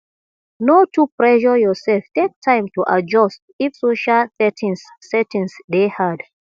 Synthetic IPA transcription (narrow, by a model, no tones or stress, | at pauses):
notʰupɹɛʃɔjɔsɛlftek̚tʰãɪ̃mtuʔa̰d͡ʒɔst | ifsoʃalsɛtʰĩnsːɛtĩnsdehad